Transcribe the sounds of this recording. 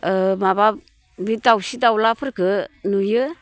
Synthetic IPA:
əmaβa | bitawsidawlapʰəɾɡɯnujɯ

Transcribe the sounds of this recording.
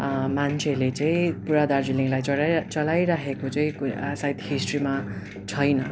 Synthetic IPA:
mant͡sʰelet͡sʌĩpuɾad̪ard͡ziliŋlajt͡sʌlajɾaɦʰekot͡sʌĩksajt̪hisʈrima | t͡sʰʌjnʌ

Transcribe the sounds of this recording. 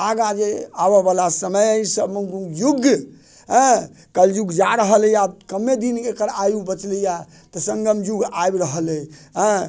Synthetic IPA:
aɡad͡ʒeabəbalasəməjəsəbməŋɡujuɡ | ɦə̃ | kəljuɡd͡ʒaɾəɦəljabkəmːed̪inekəɾajubət͡ʃləja | t̪ɔsə̃ŋɡəmjuɡajbɾəɦələjɦə̃

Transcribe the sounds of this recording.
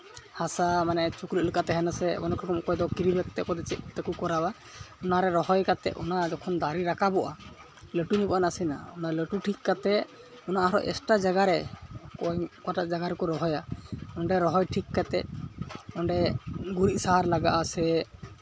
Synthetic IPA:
hasamanɛt͡ʃukləʔ̚ləkat̪ɛɦɛnasɛbɔnɔkʰɾɔkɔmkɔjd̪ɔkiɾibɛk̚t̪ɛkɔd̪ɛt͡ʃɛʔt̪ɛkukɔɾaba | ɔnaɾɛɾɔɦɔjkat̪ɛ̰ʔɔnad͡ʒɔkʰɔnd̪aɾiɾakabɔʔa | ləʈunibɔʔanasina̰ɔnaləʈuʈʰikːat̪ɛʔ | ɔnaʔɔɾɔ̰ʔɛ̰sʈad͡ʒaɡaɾɛkɔjkaʈaʔd͡ʒaɡaɾɛkɔɾɔɦɔjaɔɳɖɛɾɔɦɔjʈʰikːat̪ɛʔ̚ɔɳɖɛɡuɾiʔ̪̚saɦaɾlaɡaʔasɛ

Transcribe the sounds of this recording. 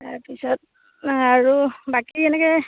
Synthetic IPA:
taɹpisɔt̚ | aɹubakiɛnɛkɛ

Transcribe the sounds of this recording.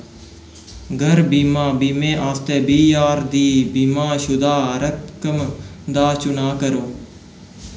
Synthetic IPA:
ɡʱəɾbiːmãːbiːmẽːʔaːst̪eːbiːjaːɾd̪iːbiːmãːʃʊd̪aːɾəkəmd̪aːt͡ʃʊnaːkəɾoː

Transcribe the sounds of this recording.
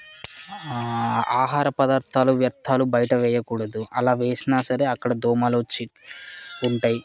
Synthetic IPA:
aːɦaːɾɐpɐd̪aːɾt̪ʰaːluʋjɐɾt̪ʰaːlubɐjɐʈɐʋɛːjɐkuːɽɐd̪uɐlaːʋe̞ːsinaːsɐɾe̞ːɐkːɐɽɐd̪ɔːmaːlot͡ʃːi | uɳʈaːji

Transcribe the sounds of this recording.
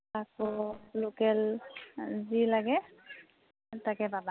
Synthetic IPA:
akɔlokɛl | zilaɡɛ | takɛbaba

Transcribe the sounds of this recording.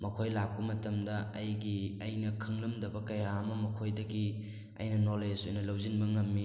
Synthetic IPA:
mɐkʰojlak̚pɐmɐtɐmdɐɐjɡiɐjnɐkʰɐŋlɐmdɐbɐkɐjamɐmɐkʰojdɐɡi | ɐ̰jnɐnoled͡ʒojnɐlɐwzinbɐŋɐmːi

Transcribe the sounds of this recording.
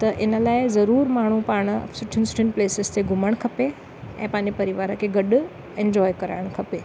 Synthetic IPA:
t̪ɐʔɪnəlaːezɐɾuːɾmaːɳ̤̃upaːɽ̰̃sʊʈʰɪnsʈeɳʈpleːsest̪ʰeɡʱʊməɳkʰɐpe | ɛ̰̃ːpãnipɐɾiʋaːɾəkeɡɐɖ | ẽɲd͡ʒɔːjkɐɾa̰ːɽ̃kʰɐpeː

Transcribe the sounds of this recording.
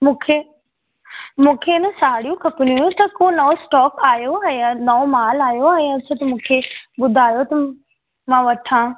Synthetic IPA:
mũːkʰe | mũːkʰeɪnəsaːɽijũkɐpɪnujũt̪ɐkonɐõsʈɔːkaːjoaːɦãnɐõmaːlaːjoaːɦiãt͡ɕʰot̪ɐmũːkʰeɓʊd̪ʱaːjot̪ɐ | mãʋɐʈʰã

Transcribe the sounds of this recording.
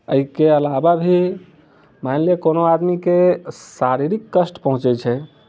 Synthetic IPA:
əikeəlababʱi | majnlekonoad̪mikesaɾiɾikːəsʈpəɦũt͡ʃɛt͡ʃʰɛ

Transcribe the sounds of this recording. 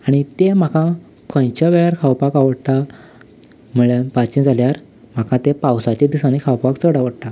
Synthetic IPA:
aɽ̃it̪em̤akʰã | kʰə̃jt͡ɕjaʋeɭjaɾkʰawpakaʋəɽt̪a | muɭepat͡ɕẽd͡zʱaljaɾ | m̤akʰãt̪epawsat͡ɕed̪isanekʰawpakt͡səɽaʋəɽt̪a

